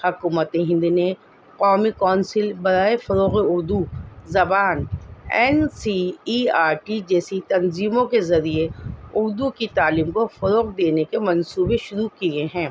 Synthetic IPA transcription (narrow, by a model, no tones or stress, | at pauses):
hʊkuːmət̪ẽɦɪ̃nd̪ine | qɔːmikɔːnsɪlbɐɾaːefɐɾoːqeʊɾd̪uzɐbaːnɛːnsiiːaːɾʈid͡ʒɛːsit̪ɐnziːmõkezɐɾieʊɾd̪ukit̪aːliːmkofɐɾoːqd̪eːnekemɐ̃nsuːbeʃʊɾukieɦɛ̃ː